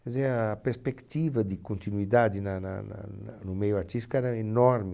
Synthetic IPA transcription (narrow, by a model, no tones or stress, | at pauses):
ezɛaːpeɾspɛkt̪ivad̪ikont̪inuid̪ad̪inana̰na̰nanumejwat͡ʃiskɛɾaenɔɾmi